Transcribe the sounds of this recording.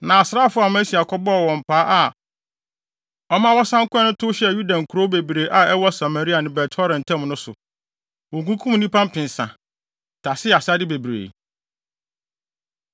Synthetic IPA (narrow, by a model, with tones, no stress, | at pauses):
nã˨a˨sɾa˦˨fʊ˦a˨mã˦si˨a˨kʰɔ˦bɔ˦ɔ˨wɔ̃˨m̩˨pʰaː˨˦ʔa˨ | ɔ˦mã˦wɔ˦sã˦ŋ˦kʰʷʊ˦ɛ˦nʊ̃˦tʰʊ˦ɕɛ˦˨ju˦dã˨ŋ̩˨kʰu˨ɾo˦be˨bɾe˨˦ʔa˨ɛ˦wɔ˦sa˨ma˨ɾi˦a˨nɪ̃˨bɛ˨tʰɔ˦ɾɛ̃˨n˨tʰɛ̃˦m˨nʊ̃˦sʊ̰˨ | wɔ̃˨ŋkũ˦kʰũ˦m˨nĩ˦pʰã˦m̩˦pʰɪ̃˨n˨sã̰˨ | tʰa˨sɪ˦a˨sa˦dɪ˦be˨bi˨ɾḛ˨